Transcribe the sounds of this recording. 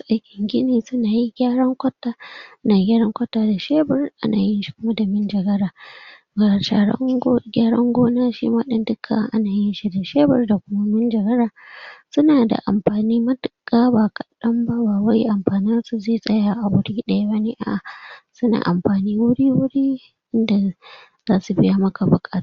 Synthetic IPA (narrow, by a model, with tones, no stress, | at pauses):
sʔa˦jkʲɪ˨ŋɡʲɪ˦niː˨sʊ˦naː˨ji˦ɡʲaː˦ɽɐ˦ŋkʷɐ˦tːaː˦naː˨ɡʲaː˦ɾɐ˦ŋkʷɐ˦tːaː˦da˨ʃeː˦bɪ˨rʔa̰˦naː˨jɪ˦nʃi̥˦kʷʊ˦ma˦da˨mɪ˦nd͡ʒɐ˨ɡɐ˦ɾaː˨ | ɡa˨ʃa˦ɽ̰ɡʲaː˦ɽɐ̰˦ŋɡʷoː˦naː˦ʃḭː˦maː˦ɗɪ˦ndɪ˦kʰːa̰˨˦ʔa̰˦naː˨jɪ˦nʃi˦da˨ʃeː˦bɪ̰˨rda˨kʷʊ˦ma˦mɪ˦nd͡ʒɐ˨ɡɐ˦ɾaː˨sʊ˦naː˨da̰˨ʔa̰˨mɸaː˨niː˦mɐ˦dɪ˨kʼːaː˦baː˨kɐ˨ɗɐ˦mba˦baː˨wa˦jʔa˨mɸaː˨nɪ˦nsu˨zeː˦˨sʼɐ˦jaː˨ʔa˨wʊ˦ɽiː˦ɗɐ˦ja˦bɐ˦neː˦ʔa̰˨ʔa˨sʊ˦na̰˨ʔa˨mɸaː˨niː˦wʊ˦ɽiː˦wʊ˦ɽiː˦ | ʔɪ˦nda˨ | z̥aː˦su˨bɪ˦ja˦mɐ˦ka˨bʊ˨kʼa˦tː